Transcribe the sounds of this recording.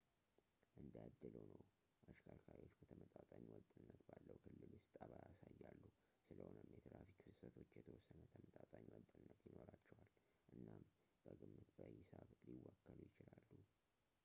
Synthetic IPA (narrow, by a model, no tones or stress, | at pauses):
ʔɨnd̪jad̪ːɨləwnəw | ʔaʃkʰalkʰajot͡ʃːbət̪ʰəmət̪ʼat̪ʼaɲwɔt̪ʼːɨnːət̪balːəwkʰɨlːɨlust̪ʼəβajasajːalːu | sɨləhonəmjɛt̪ʰɨɾafikfɨsət̪ʰo̞t͡ʃːjɛt̪ʰəwɔsːənt̪ʰəmət̪ʼat̪ʼaɲwɔt̪ʼɨnːət̪jɪno̞ɾat͡ʃːɛwal | ʔɨnːam | b̥əɡɨmːɨt̪bəhɪsaβliwːakːəlujɪt͡ʃɪlalːu